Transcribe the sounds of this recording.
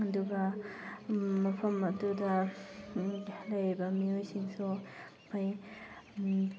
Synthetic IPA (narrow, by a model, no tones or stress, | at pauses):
ɐduɡɐ | mɐpʰɐmɐdudɐ | lɐjɾibɐmiojsʰiŋsu | pʰaj